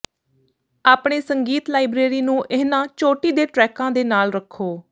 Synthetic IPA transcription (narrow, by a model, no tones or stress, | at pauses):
aːpɳeːsəŋɡiːt̪laːibɾeːɾiːnũːʔɪnãːt͡ʃoːʈiːd̪eːʈɾɛːkãːd̪eːnaːlɾəkʰːoː